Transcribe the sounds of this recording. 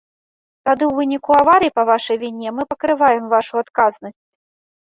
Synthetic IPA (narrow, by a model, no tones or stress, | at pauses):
t̪ad̪ɨwvɨnʲikuavaɾɨjipɐvaʂɐjvʲinʲɛmɨpɐkɾɨvajɛmvaʂuat̪kaznɐsʲt͡sʲ